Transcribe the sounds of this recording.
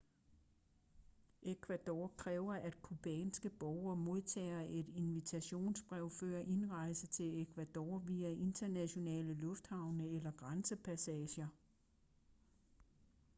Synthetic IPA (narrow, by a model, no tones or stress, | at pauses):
ʔekʰʋæd̥ɒːkʰʁɛːʊɐʔæd̥kʰub̥ɛːnsɡ̥əb̥ɒʊɐmo̝ðˠt͡sʰɛ̰ːɐʔe̝d̥e̝nʋit͡sʰæɕo̝̰ːnsb̥ʁɛʊ̰fø̰ːɐʔe̝nʁɑ̈ɪsət͡sʰe̝le̝kʰʋæd̥ɒ̰ːʋiːæʔe̝nd̥ɐnæɕo̝nɛ̰ːləlɔ̽fd̥hɑ̈ʊ̰nəelɐɡ̥ʁansəpʰæsɛːɕɐ